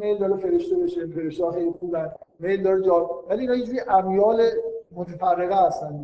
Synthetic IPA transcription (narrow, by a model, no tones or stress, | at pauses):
mejld̪ɒːɾefe̞ɾeʃt̪ebeʃefeɾeʃt̪ːxejlixuːbænd̪mejld̪ɒɾed͡ʒɒvæliːnhɒːjed͡ʒueʔæbjɒːlemot̪ʰefærːeɣeæst̪æn